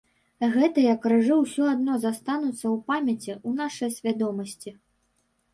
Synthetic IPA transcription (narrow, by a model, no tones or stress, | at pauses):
ɣɛt̪ɐjɐkɾɨʐɨwsʲɔad̪nɔzast̪anut̪sːɐwpamʲɐt͡sʲiunaʂɨjɐsʲvʲad̪ɔmɐsʲt͡sʲi